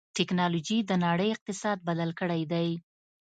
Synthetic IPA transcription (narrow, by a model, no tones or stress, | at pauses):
ʈɪknɑlod͡ʒid̪ənɑɽəjɪq̚t̪ɪsɑd̪̚bad̪alkəɽajd̪aj